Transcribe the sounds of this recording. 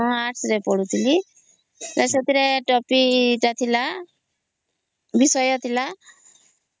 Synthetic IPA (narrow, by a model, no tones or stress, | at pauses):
ɔ̃aʈʰsɾepɔɽut̪ʰili | ɾɛsɔt̪iɾeʈɔpiʈat̪ʰila | bisɔjɔt̪ʰila